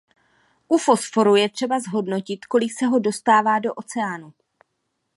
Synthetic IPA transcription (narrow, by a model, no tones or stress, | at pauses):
ʔufo̞sfo̞ɾujɛt̪r̝̥ɛbazɦo̞dno̞cɪt̪ko̞lɪksɛɦo̞do̞st̪aːvaːdo̞ʔo̞t͡sɛaːnu